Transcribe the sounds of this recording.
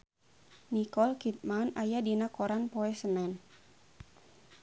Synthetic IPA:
nikɔlkit̪̚manajadinakɔɾanpɔɛsənɛn

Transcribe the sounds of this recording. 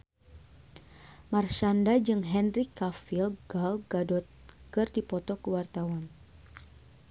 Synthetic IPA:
marʃandad͡ʒɨŋɦɛnrikːafilɡalɡadɔt̪̚kɨrdipɔt̪ɔkəwart̪awan

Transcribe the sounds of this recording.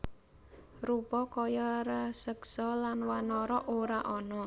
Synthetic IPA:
rupɔkɔjɔɾəsəksɔlanwanɔɾɔʔoɾaʔɔnɔ

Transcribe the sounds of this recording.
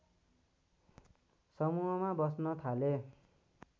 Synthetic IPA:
sʌmuɦʌmabʌsnʌt̪ʰale

